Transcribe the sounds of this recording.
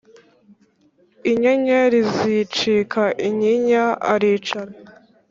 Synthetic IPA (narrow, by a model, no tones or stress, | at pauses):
iɲeɲeɾizit͡ʃikʰaʔiɲiɲaa̰ɾiːt͡ʃaɾe